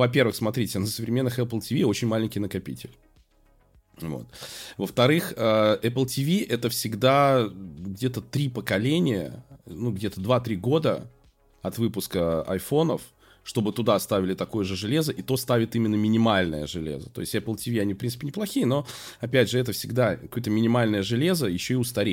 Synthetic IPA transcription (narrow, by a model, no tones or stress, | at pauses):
vɐpʲe̞rɾvɨxsmɐt̪ɾʲitʲɪnəsəvɾʲɪmʲe̞nːɨxɛpəlˠtʲɪvʲio̞t͡ɕɪnʲmalʲɪnʲkʲɪjnəkɐpʲḭtʲɪ̰lʲ | vo̰t̪vəft̪ɐɾɨxəʔɛpəlˠtʲɪvʲiʔɛt̪əfsʲɪɡd̪a | ɡdʲe̞t̪ət̪ɾʲipəkɐlʲenʲɪjə̰nuɡdʲe̞t̪əd̪vat̪ɾʲiɡo̞d̪ə | ɐt̪vɨpʊskəɐ̰jfo̞nəf | ʂt̪o̞bɨt̪ʊd̪ast̪avʲɪlʲɪt̪ɐko̞jəʐɨʐɨlʲe̞zəʔit̪o̞st̪avʲɪt̪imʲɪnːəmʲɪnʲɪmalʲnəjəʐɨlʲḛzət̪o̞̰ɪsʲtʲɛpəlˠtʲɪvʲiɐnʲifpɾʲin̥pʲɪnʲɪplˠɐxʲijəno̞ | ɐpʲædʲʐɨɛt̪əfsʲɪɡd̪akkojt̪əmʲɪnʲɪmalʲnəjəʐɨlʲe̞zəjɪɕːo̞ɪʊst̪ɐɾʲe